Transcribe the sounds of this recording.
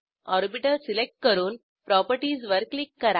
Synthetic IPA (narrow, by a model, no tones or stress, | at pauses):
ɔːɾbɪʈɐɾsɪlɛk̚ʈ̚kɐɾuːn | pɾaːpɐɾʈiːsʋɐɾklɪkːɐɾa